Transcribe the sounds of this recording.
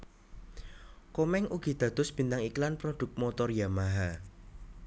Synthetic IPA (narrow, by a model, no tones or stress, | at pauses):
kɔmɛŋʔuɡ̥i̤d̪̥ä̤d̪̥ʊ̤sb̥i̤nt̪aŋiklanpɾod̪̥ʊ̤k̚mɔt̪ɔrjamaɦa